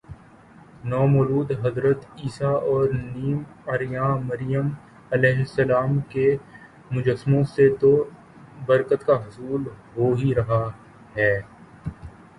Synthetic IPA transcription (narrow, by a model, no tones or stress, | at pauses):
nɔːmɔːluːd̪ɦɐzɾət̪iːsaɔːɾniːmɐɾɪjãːmɐɾɪjəm | ɐlɛːɦsɐlaːmke | mʊd͡ʒəsmõset̪o | bɐɾkət̪kaɦʊsuːlɦoːɦiɾɐɦa | ɦɛː